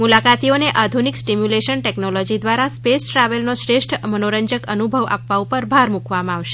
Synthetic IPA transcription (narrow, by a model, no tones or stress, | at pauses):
mulakat̪ioneʔad̪ʱuniksʈimjuleʃənʈɛknolod͡ʒid̪ʋaɾaspesʈɾaʋəlnoʃɾeʃʈʰmənoɾəɲd͡ʒəkənubʱəʋa̰pʋaupəɾbʱaɾmukʋamãaʋʃe̥